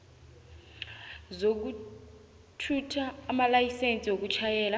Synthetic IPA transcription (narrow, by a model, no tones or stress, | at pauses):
zok̬u | tʰutʰaːmalajisent͡sʼiok̬ut͡ʃʰajɛːla